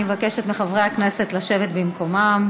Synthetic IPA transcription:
mevakeʃet̪meχavʁejhakne̞se̞t̪laʃe̞vet̪bimko̞mam

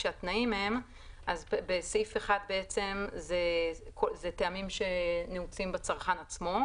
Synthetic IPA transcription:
ʃeat̪naimeem | ʔazbesejfeχad̚beet͡se̞mzekʰozet̪eamimʃe̞neut͡simbet͡saʁχanat͡smo̞

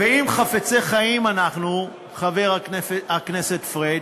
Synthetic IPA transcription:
veimχafet͡seχajimanaχnu | χave̞ʁaakne̞set̪fʁed

